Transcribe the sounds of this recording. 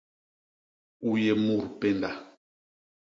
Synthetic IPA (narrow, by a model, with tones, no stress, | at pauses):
u˨je˨mu˨ɾpe˦nda˨